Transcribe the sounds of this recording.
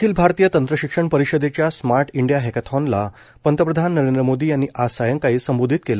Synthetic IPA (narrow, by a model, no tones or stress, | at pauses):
kʰiːlbʱaɾt̪ijət̪ənt̪ɾəɕikʂəɳpəɾiɕəd̪et͡ɕjasmaɾʈʰiɳɖijaɦekət̪ʰɔnla | pənt̪əpɾəd̪ʱanːəɾend̪ɾəmod̪iːjanːiʔasajəŋkaɦiːsəmbod̪ʱit̪̚kel